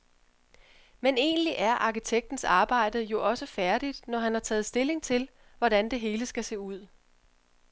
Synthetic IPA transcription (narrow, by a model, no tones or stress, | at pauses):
mene̝̰ːnliʔæɐʔɑ̈kit͡sʰeɡ̥̚d̥n̩sɑ̈ːb̥ɑ̈ɪ̰d̥ð̩ˠjo̝ʔɒ̽səfæɐd̥id̥nɒɦænhɑ̈t͡sʰɛ̰ːð̩ˠsd̥e̝le̝ŋt͡sʰe̝l | ʋɒɾ̥ænd̥e̝ɦe̝ːləsɡ̥æse̝̰ːuð̞̰ˠ